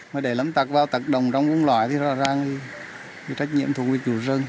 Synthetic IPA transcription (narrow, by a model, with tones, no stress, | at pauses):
məː˨˩ɗe˧˩lə˨˦mt̪ə˨˩k̚vaː˧wt̪ə˨˩t̚ɗə˨˩wŋ͡mt͡ɕɔ˧wŋ͡mvu˧˦ŋlwaː˧˩˨jt̪ʰi˨˩zɔ̰˧˥zaː˨˩ŋʰi˨˩ | vḭ˧˩t͡ɕa˦˥k̟̚ɲḭ˧˨əmt̪ʰu˨˩ək̚vi˨˩k̚t͡ɕu˧˨˩zə˧n